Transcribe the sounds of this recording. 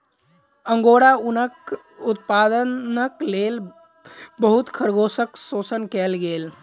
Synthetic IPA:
əŋɡoɽaunək | ut̪̚pad̪ənəklel | bəɦut̪kʰəɾɡosəksosənkɛlɡel

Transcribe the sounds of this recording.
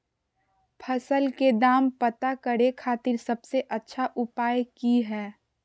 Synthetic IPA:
pʰɐsəlked̪aːmpət̪akəɾekʰaːt̪ɪɾsɐbseʔɐtːʃʰaʔʊpaːjkiɦɛː

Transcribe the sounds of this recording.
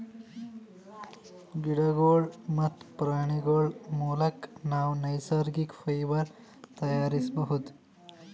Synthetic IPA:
ɡiɽaɡoɭmɐt̪ʰpɾaɳ̃iɡoɭmulɐknawnɐjsaɾɡikfɐjʋəɾ | t̪ɐjaɾisbəɦut̪

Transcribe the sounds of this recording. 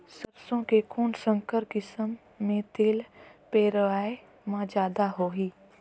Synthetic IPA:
səɾsõkekʊːnsə̃ŋkəɾkɪsəmː | ẽt̪eːlpeːɾəʋaːe | mãd͡ʒaːd̪aɦoːɦiː

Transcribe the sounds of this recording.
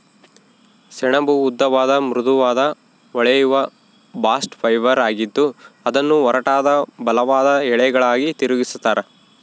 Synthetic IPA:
sɛɳɐbuːd̪ːɐʋaːd̪ɐmɾud̪uʋaːd̪ɐ | ɔɭɛjuʋɐ | baːsʈpʰɐjʋɐɾaːɡid̪ːuɐd̪ɐnːuɔɾɐʈaːd̪ɐbɐlɐʋaːd̪ɐɛɭɛɡɐɭaːɡit̪iɾuɡisu̥t̪ːaːɾe

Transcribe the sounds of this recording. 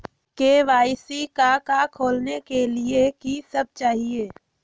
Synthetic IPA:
keːʋaːɪsikakakʰoːlnekeliekisəb̚t͡ʃaːɦieː

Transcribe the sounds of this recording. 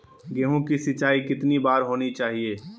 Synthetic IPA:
ɡeːɦũkisɪt͡ʃaːikɪt̪nibaːɾɦoːnit͡ʃaːɦieː

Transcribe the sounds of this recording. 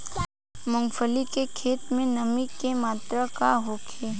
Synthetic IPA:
mʊ̃ŋɡfəlikekʰeːt̪mẽnɐmikːemaːt̪ɾakaɦokʰeː

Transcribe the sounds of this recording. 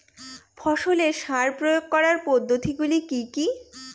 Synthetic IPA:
fʰɔʃoleʃaɾpɾojoɡ̚kɔɾaɾpɔd̪ːot̪iɡulikiki

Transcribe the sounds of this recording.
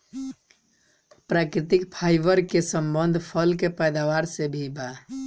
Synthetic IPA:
pɾakɾit̪ikpʰajbəɾkesəmbənd̪ʱpʰəlkepəjd̪awaɾsebʱiba

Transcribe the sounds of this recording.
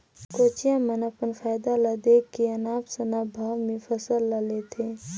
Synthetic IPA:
koːt͡ʃijãmənɐpənfaːjd̪alad̪ekːiɐnaːpsɐnaːbʱaːwmẽfʰəsəlːɐlet̪ʰeː

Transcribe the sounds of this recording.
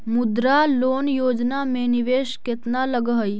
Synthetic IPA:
mʊd̪ɾaloːnjoːd͡ʒnamẽnɪʋeːʃkɪt̪naləɡɦəj

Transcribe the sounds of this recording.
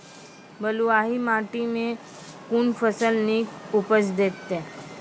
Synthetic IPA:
bəluaːɦimaːʈimẽ | kuːnfəsəlniːkʊpəsd̪eːt̪ːe

